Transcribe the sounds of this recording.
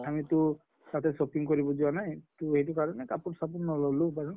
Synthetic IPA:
amit̪ʊ | t̪at̪ɛsokiŋkɔɹibɔd͡ʒuanajtuejtukaɹɔnekapunsapunnɔlɔlubaɹɔ

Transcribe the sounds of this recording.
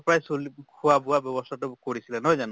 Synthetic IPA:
pɹajsolikʰʊabʊabjɔbɔstʰatʊkoɹisilɛnɔjzan

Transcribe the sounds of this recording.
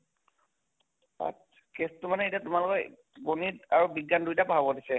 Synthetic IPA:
a̰t | kestʊmanɛetiatumalʊkɔ | ɡonitaɹubiɡːandujtapaɦabodisɛ

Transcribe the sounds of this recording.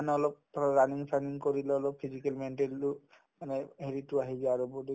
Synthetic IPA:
anɛɔlɔp̚ɹaniŋsʰaniŋkoɹilɛɔlɔpʰːizikɛlmɛnʈelːu | manɛɦeɹitʊaɦizaaɹubɔdi

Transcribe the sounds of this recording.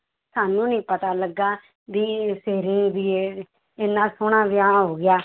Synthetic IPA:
saːnũːnĩːpət̪aːləɡːaː | d̪iːseːɾĩːd̪iːeː | ɪnːãːsʊɽãːʋɪaːɦoːɡɪjaː

